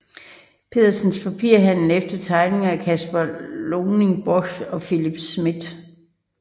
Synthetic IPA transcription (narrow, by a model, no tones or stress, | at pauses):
pʰe̝ðˠɐsənspʰæpʰiɐ̰ɦæn̰l̩ˠefd̥ɐt͡sʰɑ̈ɪne̝ŋækʰæsb̥ɐloːne̝ŋb̥ɒɕɒ̽filib̥smid̥